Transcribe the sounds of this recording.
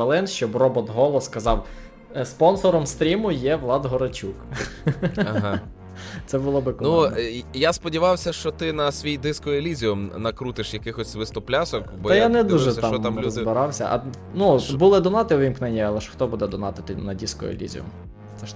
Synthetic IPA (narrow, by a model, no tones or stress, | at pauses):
ɐlˠɪnʃt͡ʃɔbrɔbɔt̪ɦɔlˠɔskɐzɑw | spɔnsɔɾɔmst̪ɾʲimʊjɛʋlˠɑd̪ɦɔɾɐt͡ʃuk | ɐɦa | t̪sɛbʊlˠɔbɪkɔnujaspɔdʲiʋɑwsʲɐʃt͡ʃɔt̪ɪnɐsʲʋʲijd̪ɪskʊelʲizʲiʊmnɐkɾut̪ɪʃjɐkɪxɔsʲʋɪst̪ɔplʲasɔkbɔɐjjanɛd̪uʒɛt̪ɑmt̪amʲzbɪɾɑwsʲɐ̰ʔɐ̰ | nut̪bulˠɪd̪ɔnɑt̪ɪʋʲimknɛnʲːɐɐlˠɛʃxt̪ɔbud̪ɛd̪ɔnɑt̪ɪt̪ɪ̰nɐdʲiskʊ̰ḛlʲḭzʲḭʊ̰m | ɛ